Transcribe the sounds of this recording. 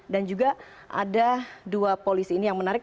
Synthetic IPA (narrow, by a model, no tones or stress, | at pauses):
dand͡ʒuɡa | ʔa̰daduapolisiːnijaŋmənaɾɪk̚